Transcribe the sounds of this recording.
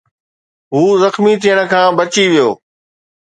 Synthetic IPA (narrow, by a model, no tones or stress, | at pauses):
ɦuːzɐxmit̪ʰijəɽ̃ə̆kʰãːbɐt͡ɕiʋijoː